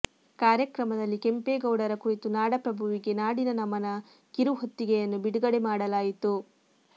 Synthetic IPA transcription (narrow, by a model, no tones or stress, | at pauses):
kaːɾjɐkɾɐmɐd̪ɐlːike̞mpeːɡɐwɽɐɾɐkuɾit̪unaːɽɐpɾɐbʱuʋiɡe̞naːɽinɐnɐmɐnɐ | kiɾuɦot̪ːiɡejɐnːubiɽuɡɐɽemaːɽɐlaːjit̪u